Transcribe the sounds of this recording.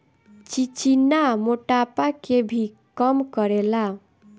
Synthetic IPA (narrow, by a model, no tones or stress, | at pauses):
t͡ʃit͡ʃinamoʈapakebʱi | kɔmkəɾela